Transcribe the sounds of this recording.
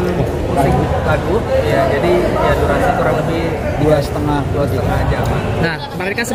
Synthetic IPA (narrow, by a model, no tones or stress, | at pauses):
kaɾibulaɡujad͡ʒadiiaduɾansikuɾaŋləbɪh | duasə̥t̪əŋahduat̪iŋaɦad͡ʒamannahkəmaɾkansə